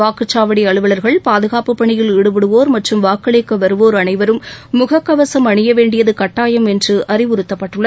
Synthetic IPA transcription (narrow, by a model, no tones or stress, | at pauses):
aːkɯt͡ʃːaːʋɐɽiɐɭɯʋɐɭɐɾɣɐɭpaːðɯɣaːpɯpːɐɳɪjɪlɪɽɯbɪɽɯʋoːɾmɐʈrɯmʋaːkɐɭeːkːɐʋɐɾɯʋoːɾɐɳɐɪʋɐɾɯmːʊɣɐkːɐʋɐsɐmɐɳɪjɐʋeːɳɖɪjɐðɯkɐʈːaːjɐmɛndrɯʔɐrɪʋɯɾɯt̪ːɐpːɐʈːɯɭːɐ